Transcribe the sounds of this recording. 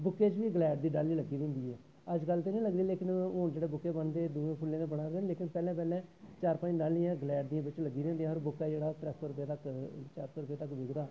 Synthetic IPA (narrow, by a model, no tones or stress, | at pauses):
bʊkːeːt͡ʃʋiːɡlɛːɖd̪iːɖaːlːiːləɡiːd̪ẽːnd̪iːɦɛː | əd͡ʒkəlt̪eːnĩːləɡd̪iːleːkɪnoːd͡ʒeːɽeːbʊkːeːbənd̪eːd̪ʊẽːpʰʊlːẽːneːbəɽaːɾd̪eːnleːkɪnpɛːlɛ̃ːpɛːlɛ̃ːt͡ʃaːɾpə̃d͡ʒɖaːlːijãːɡəlɛːɖd̪iːãːbɪt͡ʃləɡːiːd̪ẽːnd̪ijãːɔːɾbʊkːɛːd͡ʒeːɽaːt̪ɾɛːsoːɾʊpeːt̪əkt͡ʃaːɾsoːɾʊpeːt̪əkʋɪɡd̪aː